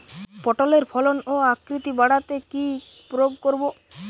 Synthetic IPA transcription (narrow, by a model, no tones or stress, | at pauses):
pɔʈoleɾpʰɔlonoakɾit̪ibaɽat̪eki | pɾoɡkoɾbo